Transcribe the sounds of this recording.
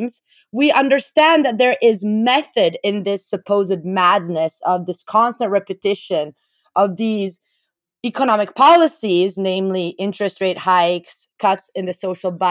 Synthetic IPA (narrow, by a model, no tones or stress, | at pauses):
mz̥ | wiʔʌ̃ndə˞stæ̃nðɨt̪̚ðə˞ʔɪzmɛθɨɾɪ̃nðɪsɨpʰoʊzɨd̚mædⁿnɨsʌvðɪskʰɑ̃nstə̃nʔ̚ɹɛpɨtʰɪʃɨ̃n | ʔʌvðiz | ikʰənɑmɨk̚pʰɑlˠəsiznẽɪ̃mliʔɪ̃nt͡ʃɹ̥ɨstɹeɪt̚haɪkskʰʌtsɨ̃nðɨsoʊʃl̩ˠba